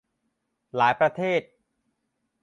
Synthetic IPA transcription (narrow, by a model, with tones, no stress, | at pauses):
laː˩˦jpɾa˧t̪ʰeː˥˩t̪̚